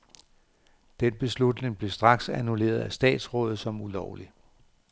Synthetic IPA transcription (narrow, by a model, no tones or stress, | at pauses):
d̥enb̥e̝slud̥ne̝ŋb̥le̝sd̥ʁɑ̈ɡ̥sænule̝̰ːɐðˠæsd̥ɛ̰ːd̥sʁɔ̽ːð̞̩ˠsɒ̽mulɒʊli